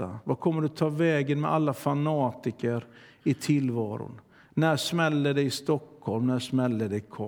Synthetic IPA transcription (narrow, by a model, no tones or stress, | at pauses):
a̰vakʰɔmːəɖɵt̪ʰɑːvɛːɡənmɛʔalːafanɑːt̪ɪkəɾ | ɪt̪ʰɪlvɑːɾʊ̰n | næʂmɛlːəɖɛjɪst̪ɔkhɔlmnæʂmɛlːəɖ̪ɛkʰɔ